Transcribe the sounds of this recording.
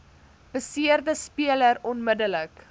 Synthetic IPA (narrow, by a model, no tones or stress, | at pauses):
b̥əsiərdəspiələrɔnmədələk